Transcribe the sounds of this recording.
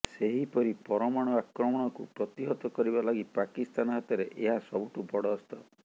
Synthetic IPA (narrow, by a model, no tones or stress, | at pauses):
seɦipɔɾipɔɾɔmaɽ̃ɔakɾɔmɔɽ̃ɔkupɾɔt̪iɦɔt̪ɔkɔɾibalaɡipakist̪anɔɦat̪ɔɾeʔeɦasɔbuʈubɔɽɔːst̪ɔ